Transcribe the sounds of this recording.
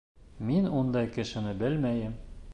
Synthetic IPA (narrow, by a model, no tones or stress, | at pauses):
minund̪ɑjkɘ̆ʃɘ̆nɘbɘlmæjɘm